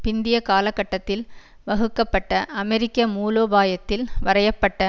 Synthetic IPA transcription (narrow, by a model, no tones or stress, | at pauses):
pɪnd̪ɪjɐkaːlɐkːɐʈːɐt̪ːɪl | ʋɐɣɯkːɐpːɐʈːɐʔɐmɛɾɪkːɐmuːloːbaːjɐt̪ːɪlʋɐɾɐjɐpːɐʈːɐ